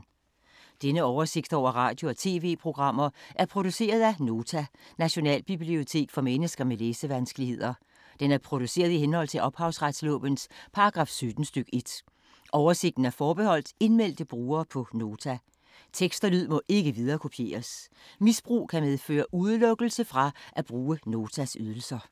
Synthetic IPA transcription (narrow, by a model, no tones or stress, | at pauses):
d̥enəɒʊɐse̝ɡ̥d̥ɒʊ̰ɐʁɑ̈ːd̥jo̝ɒ̽t͡sʰe̝̰ːʋe̝̰ːpʰʁo̝ɡ̥ʁɑ̈m̰ɐʔæɐpʰʁo̝d̥use̝̰ːɐð̞ˠæno̝ːt͡sʰænæɕo̝nɛ̰ːlb̥ib̥lio̝t͡sʰe̝̰ːɡ̥fɒ̽menəsɡ̥ɐmeleːsəʋænsɡ̥əlihe̝ð̞̰ˠɐ | d̥enæɐpʰʁo̝d̥use̝̰ːɐðˠiɦenhɒ̽l̰t͡sʰe̝lʔɒ̽b̥hɑ̈ʊsʁad̥slɔ̰̽ːb̥ənspʰɑ̈ɑɡ̥ʁɑ̈ːfsød̥n̩sd̥øɡ̥e̝d̥ | ʔɒʊɐse̝ɡ̥̚d̥n̩æɐfɒːb̥e̝hɒ̽l̰d̥e̝nmel̰d̥əb̥ʁuːɐːpʰɒ̽no̝ːt͡sʰæ | t͡sʰeɡ̥sd̥ɐlyð̞̰ˠmɔ̽ʔe̝ɡ̥əʋiðˠɐːkʰo̝pʰje̝̰ːɐs | misb̥ʁṵːkʰæmeð̞ˠfø̰ːɐʔuð̞ˠlɔ̽ɡ̥l̩səfʁɑ̈ʔæb̥ʁuːəno̝ːt͡sʰæsyð̞ˠl̩sɐ